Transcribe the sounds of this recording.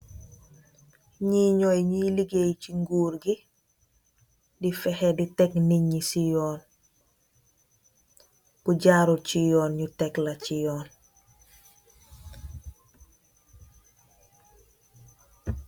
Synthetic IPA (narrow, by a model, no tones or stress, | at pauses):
ɲiɲɔjɲiliɡejciŋɡuːɾɡi | difɛhɛditɛkniɲisijɔːn | kuɟaɾucijɔːnɲutɛklacijɔːn